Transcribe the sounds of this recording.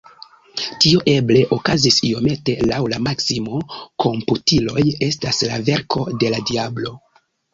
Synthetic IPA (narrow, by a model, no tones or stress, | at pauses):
tioʔe̞ble̞ʔo̞kazisio̞me̞te̞lawlamaksimokʰo̞mputilo̞je̞staslave̞ɾkʰo̞de̞ladiablo̞